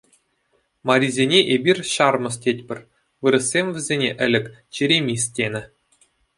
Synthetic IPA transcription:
mɑɾʲizʲenʲeʔebʲirʲɕɑrmɤ̆s̬tʲetʲpʲɘ̆rʲ | ʋɯɾɤ̆sʲːemʲvʲɘ̆zʲenʲeʔɘ̆lʲɘ̆kʲ | t͡ɕiɾʲemʲis̬ʲtʲenʲɘ̆

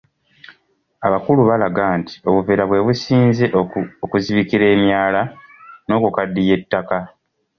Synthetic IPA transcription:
aβakuluβalaɡaːntʰi̥o̞βuveɾaβwe̞βusiːnze̞okuziβikiɾe̞ːmjaːlano̞ːkokadːije̞tːaka

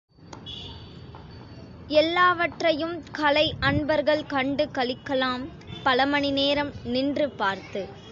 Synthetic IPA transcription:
ɛlːaːʋɐʈrɐjɯmkɐlɐɪʔɐɳbɐɾɣɐɭkɐɳɖɯkɐɭɪkːɐlaːm | pɐlɐmɐɳɪneːɾɐmnɪndrɯpaːɾt̪ɯ

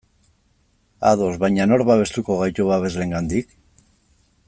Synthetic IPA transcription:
aðo̞zβajɲano̞ɾβaβe̞st̪uko̞ɣajt̪uβaβe̞zle̞ŋɡand̪ik

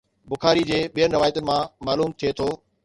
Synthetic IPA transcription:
bʊxaːɾid͡ʑeːɓijənɾɐʋaːjt̪ənɪ̆mãmaːluːmt̪ʰijet̪ʰoː

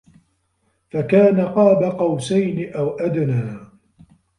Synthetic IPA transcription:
fakaːnaqɑːbaqɑwsajnɪʔawʔad̪naː

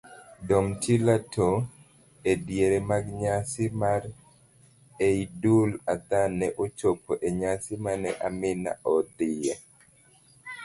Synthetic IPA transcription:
dɔmtʰilatʰo | edjeɾemaɡɲasɪmaɾ | eidulat̪anɛʔot͡ʃopʰoʔeɲasɪmanɛʔamɪna̰ʔɔd̪ɪja

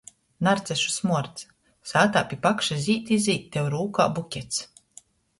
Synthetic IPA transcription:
naɾt̪sɛʃu̥smuɔɾt̪s | saːt̪aːpʲipakʃazʲiːt̪izʲiːt̪ːɛwɾuːka̰ːbukʲɛt̪s

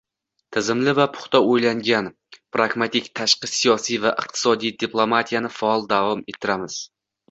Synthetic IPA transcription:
t̪ʰɪzɪmlɪvapʰʊ̥χt̪ʰɒojlaŋɡʲan | pɾaɡmat̪ɪkʲt̪ʰaʃqɨsijɒsijvaʔɨq̚t̪ʰɪ̥sɒd̪ijd̪iplˠomat̪ʰijanɪfaɒlˠd̪avɒme̞t̪ʰːɪɾamɪz̥

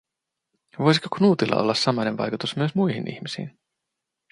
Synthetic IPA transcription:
ʋojsi̥koknuːt̪ilːɑ̰ʔo̞̰lːɑsːɑmɑjnenʋɑ̰jkut̪usmyøsmujɦinʔḭçmisḭːn

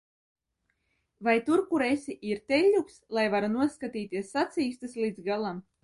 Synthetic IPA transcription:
vajt̪uɾkuɾesʲiʔiɾt̪ɛlʲːukslˠajvaɾunuɔskat̪iːt̪iɛsːat̪siːst̪ɨslˠid̪zɡalˠam

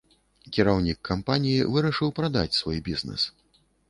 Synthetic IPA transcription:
kʲiɾawnʲikːampanʲijivɨɾɐʂɨwpɾad̪a̰t͡sʲsvɔjbʲiznɛ̰s

